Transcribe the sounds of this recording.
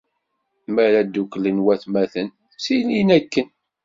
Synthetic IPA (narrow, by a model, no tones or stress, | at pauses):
mæɾæd̪ːuklənwæθmæθən | silinækːən